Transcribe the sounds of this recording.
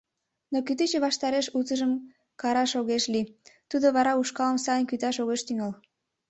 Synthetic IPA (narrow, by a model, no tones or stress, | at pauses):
nokyt̪et͡ɕeβɑʃt̪ɑɾeʃut͡səʒəm | kɑɾɑʃoɣeʃlit̪ud̪oβɑɾɑuʃkɑləmsɑjənkyt̪ɑʃoɣeʃt̪yŋɑl